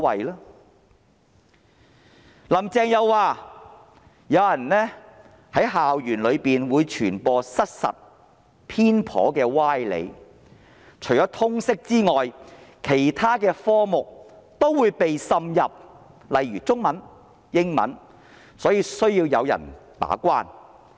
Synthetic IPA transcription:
wɐ˨jlaː˥ | lɐ˨˩mt͡sɛː˨˧ŋjɐ˨˧wːaː˨˧˩ | jɐ˨˧wjɐ˨˩nlɛː˥ | hɐ˨˥jɦaː˨wjyː˨˩nlɵ˨˧ɥpiː˨nwuː˨˧jt͡ʃʰyː˨˩npɔː˧sɐ˥t̚sɐ̰˨t̚ | pʰiː˥npʰɔ̰ː˨˥kɛː˧waː˥jlḛ˨˧j | t͡ʃʰɵ˨˩ɥt͡ʃɔː˨˥t̪ʰʊ˥ŋsɪ˥k̚t͡siː˥ŋɔː˨jkʰe˨˩jt̪ʰaː˥kɛː˧fɔː˥mʊ˨k̚t̪o˥wwuː˨˧jpe˨jsɐ˧mjɐ˨p̚ | lɐ˨jɥyː˨˩t͡sʊ˥ŋmɐ˨˥n | jɪ˥ŋmɐ̰˨˥n | sɔː˨˥jiː˧sɵ˥ɥjiː˧wjɐ˨˧wjɐ̰˨˩npa̰ː˨˥kʷaː˥n

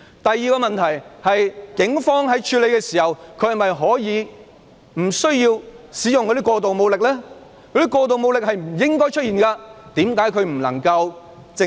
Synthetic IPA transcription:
t̪ɐ˨jːiː˨˧kɔː˧mɐ˨nt̪ʰɐ˨˩jhɐ˨jkɪ˨˥ŋfɔː˥ŋɦɐ˨˥jt͡ʃʰyː˧le˨˧jkɛː˧siː˨˩hɐ˨˩wkʰɵ˧˥jhɐ˨˩mɐ˨jɦɔː˨˥jiː˨˧ | m̩˨˩sɵ˥ɥjiː˧wsiː˨˥jʊ˨ŋkɔ˧ɾi˥kʷwɔː˧t̪o˨wmo˨˧wlɪ˨k̚lɛː˥ | kʰɔ˨˧˥ɾiː˥kʷɔː˧t̪o˨wmo˨˧wlɪ˨k̚ɦɐ˨jm̩˨˩jɪ˥ŋkɔː˥jt͡ʃʰt̚iː˨nkaː˧t̪iː˨˥mkaː˨˥jkʰɵ˨˧ɥm̩˨˩lɐ̰˨˩ŋkɐ˧w | t͡sɪ˧

